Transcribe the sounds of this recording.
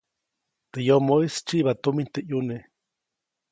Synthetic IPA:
t̪ɨjomoist͡ʃiʔβat̪umint̪eʔjune

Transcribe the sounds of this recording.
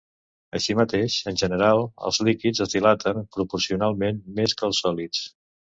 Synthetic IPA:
əʃimət̪eʃənʲʒənəɾalˠə̰lˠzlikid͡zəzðilat̪ʰəmpɾupuɾsiunalˠmenmeskəlˠsɔlit͡s

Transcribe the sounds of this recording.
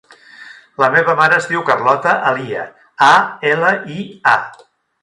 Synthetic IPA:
ləmeβəmaɾəːzðiwkərlɔt̪əʔəliə̰ | aeləia

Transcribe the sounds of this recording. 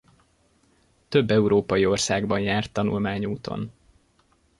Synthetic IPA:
t̪øbːɛuɾoːpɒjio̞rsaːɡbɒnjaːrt̪ːɒnṵlmaːɲuːt̪o̰n

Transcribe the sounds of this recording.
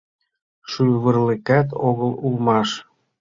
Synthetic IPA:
ʃyβə̆rlekæt̪oɣəlulmɑʃ

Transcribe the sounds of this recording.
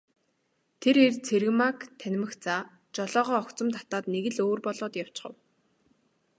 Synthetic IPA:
t̪ʰeɾert͡sʰeɾɘ̆ɣmakt̪ʰænʲmɘ̆xt͡sa | t͡ɕɔɮɔːʁɔːɔkt͡sɞ̆mt̪ʰḁt̪aːt̪neɣɘ̆ɮoːrpɔɮɔːt̪jaw̥t͡ɕχə̆w

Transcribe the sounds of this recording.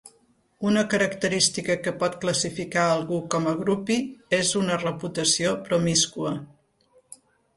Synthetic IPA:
unəkəɾəkt̪əɾist̪ikəkəpɔt̪kləsifikaəlˠɣukɔməɣɾupiezunərəput̪əsiopɾɔmiskuə

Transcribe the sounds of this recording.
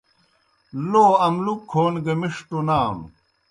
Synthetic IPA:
loːɐmlukʰːoːnɡɐmiʂʈonaːm

